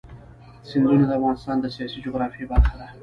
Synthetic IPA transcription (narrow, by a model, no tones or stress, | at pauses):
sɪnd̪unod̪əafɣɑnɪst̪ɑnd̪əsijɑsid͡ʒoɣɾɑfebaɾxad̪a